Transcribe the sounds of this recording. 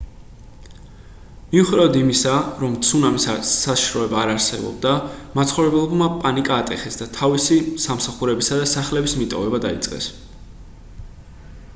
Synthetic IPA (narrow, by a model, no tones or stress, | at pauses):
miuχd̪avɔd̪imisaɾɔmt̪sʰunamisaaʃʃɾɔɛbaːɾaɾsɛ̰bɔ̰b̚d̪amat̪sʰχɔvɾɛbɛlˠɔbmapʼanikʼaːt̪ʼɛχɛsd̪at̪ʰavisisamsaχuɾɛbisad̪asaχlɛbismit̪ʼɔ̰vɛbad̪a̰it̪sʼqʼɛ̰s